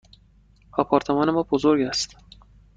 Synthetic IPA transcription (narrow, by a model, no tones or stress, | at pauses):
ɒːpʰɒːɾt̪ʰe̞mɒːnemɒːbozoɾɡæst̪